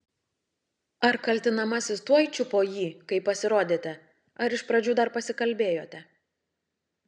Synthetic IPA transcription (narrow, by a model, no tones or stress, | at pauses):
ɐɾkɐlʲt̪ʲɪnɐmɐsʲɪst̪uɔjt͡ʃʲʊpoːjiːkɐɪpːɐsʲɪɾoːd̪ʲeːt̪ʲɛ | ɐɾɪʃpɾɐd͡ʒʲuːd̪ɐɾpɐsʲɪkɐlʲbʲeːjoːt̪ʲɛ